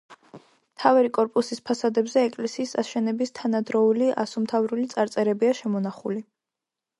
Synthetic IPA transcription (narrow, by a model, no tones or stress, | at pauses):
mt̪ʰavaɾikʼɔɾpʼusispʰasad̪ɛbzɛːkʼlɛsiːsaʃɛnɛbist̪ʰanad̪ɾɔuliʔa̰sumt̪ʰavɾulit̪sʼaɾt̪sʼɛɾɛbiaʃɛmɔnaχṵli